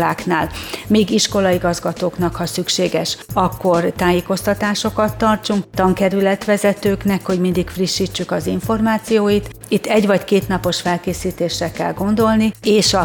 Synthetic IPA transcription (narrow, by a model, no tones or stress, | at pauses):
laːknaːlmiːɡiʃko̞lɒiɡɒzɡɒt̪oːknɒkhɒsykʃeːɡɛʃɒkːo̞rt̪aːjeːko̞st̪ɒt̪aːʃo̞kɒt̪ːɒrt͡ʃuŋkt̪ɒŋkɛɾylɛt̪ʋɛzɛt̪øːknɛkho̞ɟmind̪ikfriʃːit͡ʃːykɒziɱfo̞rmaːt̪sijoːjit̪ | it̪ːɛɟʋɒckeːt̪nɒpo̞ʃfɛlkeːsiːt̪eːʃrɛkɛlɡo̞nd̪o̞lnieːʃɒ